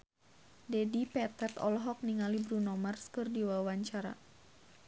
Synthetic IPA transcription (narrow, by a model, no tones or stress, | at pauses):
dɛdipɛt̪ɛt̪ɔ̰lɦɔk̚niŋalibɾunɔmarskɨrdiwawaɲt͡ʃaɾa̰